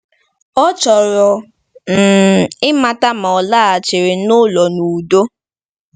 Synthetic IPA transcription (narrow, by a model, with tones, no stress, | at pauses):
ɔ˦t͡ʃɔ˨ɾɔ˨ | m̩˨ɪ˦ma˦ta˦ma˨ɔ˨laː˦˨a˨t͡ʃe˨ɾe˨nʊ˦lɔ˨nu˨do˦